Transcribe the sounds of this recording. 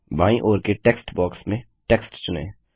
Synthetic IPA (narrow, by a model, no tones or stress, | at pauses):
baːĩʔoːɾkeʈeːksʈbɔːksmẽ | ʈeːksʈt͡ʃʊnḛ̃ː